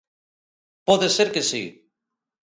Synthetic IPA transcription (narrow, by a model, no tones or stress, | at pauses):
poðeseɾkesḭ